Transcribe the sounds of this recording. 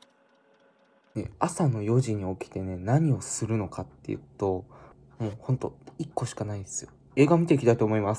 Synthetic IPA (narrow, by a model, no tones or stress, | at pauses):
ne̞̰asano̞jo̞ʑiɲ̟io̞kʲi̥t̪e̞ne̞naɲ̟io̞sɨɾɯ̟no̞kat̪ːe̞̰ɯ̟̰t̪o̞ | moːhõ̞nt̪o̞̰ikːo̞ɕi̥kanaid̪e̞̥sɨjo̞ | e̞ːɡamʲit̪eikʲi̥t̪ait̪o̞ːmo̞imasɨ̥